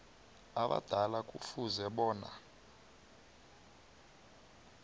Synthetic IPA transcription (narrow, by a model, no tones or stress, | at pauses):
aɓa̰d̥ʱalakʼufuzɛɓɔːna̰